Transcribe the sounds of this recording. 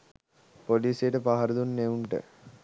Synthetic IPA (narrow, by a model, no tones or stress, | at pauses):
poliːsijəʈəpaɦɐɾəd̪unːeuɳʈə̰